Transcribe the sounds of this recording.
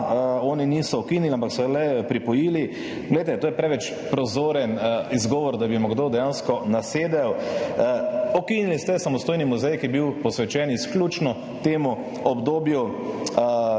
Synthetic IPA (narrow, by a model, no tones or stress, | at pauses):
ɔːniniːsɔɔkiːniliampaksɔlɛpɾipɔjiːli | ɡlɛjt̪ɛt̪oːjɛpɾɛʋɛt͡ʃ | pɾɔzoːɾɛnizɡɔːʋɔɾd̪abimɔɡd̪od̪ɛjaːnskɔnaseːd̪ɛw | ɔkinilist̪ɛsamɔst̪oːjnimuzɛjkijɛbiwpɔsʋɛt͡ʃɛːnisklʲuːt͡ʃnɔ | t̪eːmu | ɔbd̪oːbju